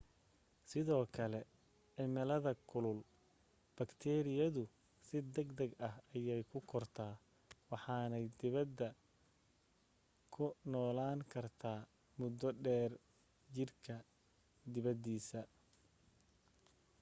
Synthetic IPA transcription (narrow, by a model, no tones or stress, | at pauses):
sɪðɔːkʰɐlɛ | ʕɪmɛlɐðɐkʰʊlʊl | b̥ɐkt̪ʰɛːɾɪjɐðʊ | sɪd̪ɐɡd̪ɐɡɐhɐjɛjkʰʊkʰɔrt̪ʰaː | wɑħɑːnɛjd̪ɪβɐd̪ːɐ | kʰʊnɔːlaːŋkʰɐrt̪ʰaː | mʊd̪ɔɖɛːr | d͡ʒɪrkʰɐ | d̪ɪβɐd̪iːsɐ